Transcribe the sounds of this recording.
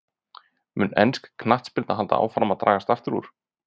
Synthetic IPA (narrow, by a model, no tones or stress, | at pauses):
mʏnɛ̰nskkʰnaht̪spɪɾt̪aɦalt̪a̰ʔa̰ːwfɾamaðt̪ɾʔaːɣast̪aft̪ɪɾṵɾ̥